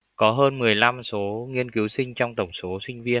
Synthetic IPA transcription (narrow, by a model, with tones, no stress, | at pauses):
kɔ˨˦ɦəː˧nmɨ˨˩əjla˧mso˨˦ŋi˧ənki˨˦wsï˧ŋ̟t͡ɕɔ˧wŋ͡mt̪ə˨˩wŋ͡mso˨˦sï˧ŋ̟vi˧ən